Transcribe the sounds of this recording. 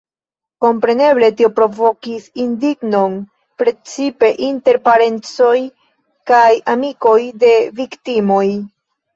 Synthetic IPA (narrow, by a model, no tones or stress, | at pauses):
ko̞mpɾe̞ne̞ble̞tio̞pɾo̞vo̞kisindiɡno̞n | pɾe̞t͡sipe̞ʔinte̞ɾpaɾe̞nt͡so̞j | kajamiko̞jde̞viktimo̞j